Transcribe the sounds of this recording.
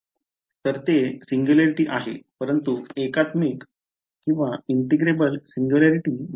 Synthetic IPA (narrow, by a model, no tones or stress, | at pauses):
t̪əɾt̪esiŋɡjulaɾiʈiːʔaɦḛpəɾənt̪uekat̪mik | kːĩw̃ʋaiɳʈiɡɾebəlsiŋɡjulaɾiʈiː